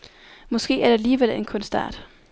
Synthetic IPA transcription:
mɒ̽sɡ̥e̝̰ːæɐd̥eæliːʋel̰e̝nkʰɔ̽nsd̥ɑ̰̈ːd̥

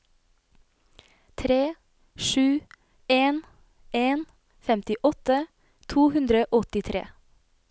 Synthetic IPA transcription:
t̪ʰɾeː | ʃʉː | eːn | eːn | fɛmt̪ɪʔɔt̪ə | t̪ʰuːhʉnd̪ɾəʔɔt̪ɪt̪ʰɾʔḛː

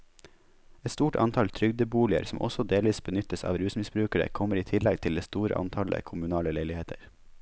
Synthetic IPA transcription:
ɛt̪st̪uːʈʰɑ̰nt̪ʰɑlt̪ʰɾʏɡd̪əbuːlɪə̰ɾsɔmʔɔ̰sɔd̪eːlʋiːsbənʏt̪əsɑ̰ːʋɾʉːsmɪsbɾʉːkəɾə̰kʰɔməɾiːt̪ʰɪlɛɡ̚t̪ʰɪleːst̪uːɾə̰ʔɑ̰nt̪ʰɑlə̰kʰʊmʉnɑːləleɪlɪheːt̪ʰəɾ

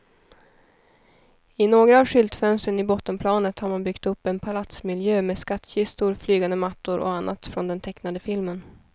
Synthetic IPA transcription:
ɪnoːɡɾaːvʂʏlt̪fœnst̪ɾənɪbɔt̪ːəmpʰlɑːnət̪haɾmanbʏkt̪ɵpːɛnpʰalat̪smɪljøːmeːskat̪ːɕɪst̪ʊɾflyːɡand̪əmat̪ːʊɾʔɔ̰anːa̰t̪fɾɔnd̪ɛnt̪ʰɛknad̪əfɪlmən

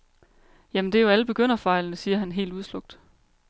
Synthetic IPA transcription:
jæmend̥e̝joæləb̥e̝ɡ̥øn̰ɐfɑ̈ɪlnəsiːɐɦænɦe̝̰ːlduð̞ˠslɔ̽ɡ̥̚d̥

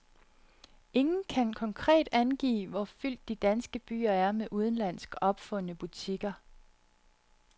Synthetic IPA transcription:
ʔe̝ŋn̩kʰænkʰɒ̽ŋkʰʁɛ̰ːd̥ænɡ̥ḭːʋɒfyl̰d̥ːid̥ænsɡ̥əb̥y̰ːɐæɐmeʔuð̞ˠn̩læn̰sɡ̥ɒ̽b̥fɔ̽nəb̥ut͡sʰiɡ̥ɐ

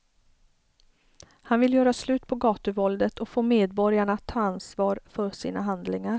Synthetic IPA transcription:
hanvɪljœːɾaslʉ̟ːt̪pʰɔɡɑːt̪ɵvɔld̪ət̪ʰɔkfoːmeːd̪̚bɔɾjaɳat̪ʰːɑːansvɑːɾfœʂḭːnaɦand̪lɪŋaɾ

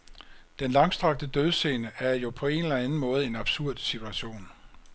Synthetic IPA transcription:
d̥enlɑ̈ŋsd̥ʁɑ̈ɡ̥̚d̥əd̥øð̞ˠse̝ːnəæɐjo̝pʰɒ̽e̝nelænn̩mɔ̽ːð̞̩ˠe̝nɑ̈b̥suɐ̰d̥sit͡sʰuæɕo̝̰ːn

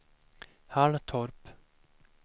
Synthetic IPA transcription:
haɳt̪ʰɔɾp

